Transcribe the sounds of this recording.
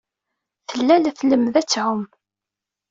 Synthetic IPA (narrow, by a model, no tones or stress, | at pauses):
θəlːælθləmðæt͡sːʕʊm